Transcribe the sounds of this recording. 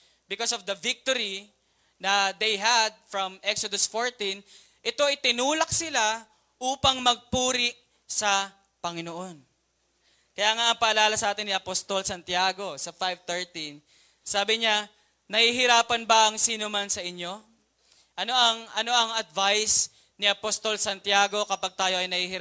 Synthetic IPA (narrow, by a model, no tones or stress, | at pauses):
bɪkosovd̪ɐvɪk̚t̪oɾi | nɐd̪ejɦɐd̪̚fɹɐmʔɛksod̪osfoɹt̪in | ʔɪt̪o̞ɐjt̪ɪnuːlɐk̚sɪla | ʔuːpɐŋmɐɡ̚puːɾɪʔ | sɐ | pɐŋɪnoʔon | kɐjaːŋaʔɐŋpɐʔɐlaːlɐsɐʔaːt̪ɪnːiʔɐpost̪olsɐnt̪jaːɡo̞sɐfajv̚t̪ɛɹt̪in | saːbɪɲa | nɐhiːɦɪɾaːpɐnbɐʔɐŋsiːnomansɐʔɪɲːo̞ | ʔɐno̞ʔɐŋʔɐno̞ʔɐŋɐd̪̚vajs | nɪʔɐpost̪o̞lsɐnt̪jaːɡo̞kɐpaɡ̚t̪aːjo̞ʔɐjnɐhiːhɪɾ